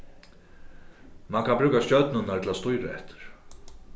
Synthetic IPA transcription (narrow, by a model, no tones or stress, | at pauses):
mankʰanpɾʉːkascœt̪nʏnaɾt̪ʰɪlast̪ujɾaɛ̰ht̪ɪ̥ɾ̥